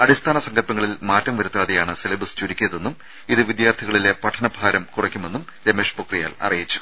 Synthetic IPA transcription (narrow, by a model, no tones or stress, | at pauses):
ɐɽist̪ʰaːnɐsɐŋɡɐlpɐŋːɐɭilmaːtːɐmʋɐɾut̪ːɾaːðijaːɳɨselɐbɐst͡ɕuɾikʲːijɐðenːum | iðɨʋid̪jaːrt̪ʰiɣɐɭile̞pɐʈʰːɐnɐbʱaːɾɐmkurɐkʲːume̞nːum | ɾeme̞ːʂpokrija̰ːlɐ̰rijit͡ɕːu̥